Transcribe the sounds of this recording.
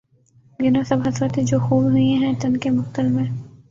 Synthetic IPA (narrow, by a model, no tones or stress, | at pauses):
ɡɪnõsɐbɦɐsɾət̪ẽd͡ʒoːxuːbɦʊẽɦɛ̃t̪ɐnkemʊxt̪əlmẽ